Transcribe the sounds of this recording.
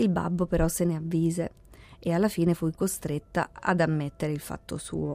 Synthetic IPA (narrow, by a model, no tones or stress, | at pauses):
ilba̰bːopeɾɔsːeneavːiːze | ealːafiːnefujkost̪ɾet̪ːa̰a̰d̪amːet̪ːeɾeilfa̰t̪ːosṵːo